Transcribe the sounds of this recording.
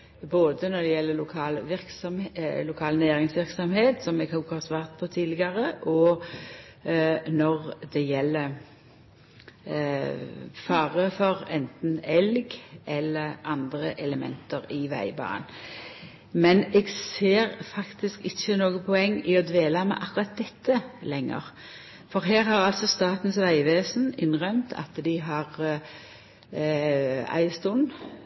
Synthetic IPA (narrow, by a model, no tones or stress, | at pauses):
boːd̪ənɔd̪ɛjɛlːəlʊkʰɑːlʋɪɾksɔmlʊkʰɑːlnæːɾɪŋsʋɪɾksɔmheːt̪sɔmɛɡhʊkhɑːsʋɑːʁt̪̚pʰɔt̪ʰiːd̪lɪɡɑʁəʔɔ | nɔʁd̪ɛjɛlːə | fɑːʁəfɔɾɛnt̪n̩ɛlɡʔɛlːəʁɑnd̪ʁəʔɛləmɛ̰nt̪əɾɪʋæ̰ɪbɑ̰ːə̰n | mɛnɛːɡseːɾfɑkt̪ɪskɪçənoːɡəpʰɔɛŋːɪɔd̪ʋeːlɑmɛ̰ʔɑkʉɾɑt̪̚d̪ɛt̪ʰːəlɛŋːə̰ʁ | fɔʁɦeːʁhɑʁɑlsɔst̪ɑːt̪n̩sʋæɪʋeːsn̩ɪnʁœmt̪ʰɑ̰t̪d̪ɪɦɑʁ | æ̰ɪst̪ʊn